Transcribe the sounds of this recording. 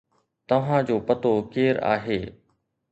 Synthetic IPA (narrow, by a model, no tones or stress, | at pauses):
t̪ɐʋ̤ãd͡ʑoːpɐt̪okeːɾa̰ːɦeː